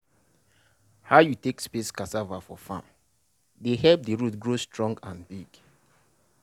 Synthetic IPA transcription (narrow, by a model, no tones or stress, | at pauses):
haʊjutekspeskasavafɔfã̰m | dehɛlp̚dəɹutɡɹostʰɹɔ̃ŋɡãnbiɡ